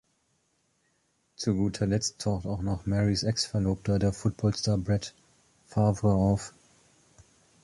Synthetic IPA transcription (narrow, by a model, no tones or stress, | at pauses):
t͡suɡuːtʰɐlɛt͡stʰːaʊxtaʊxnɔχmɛʁisʔɛksfɛɐloːp̚tʰɐdeːɐfʊt̚b̥ɔlstaːɐbʁɛt | favəɐaʊf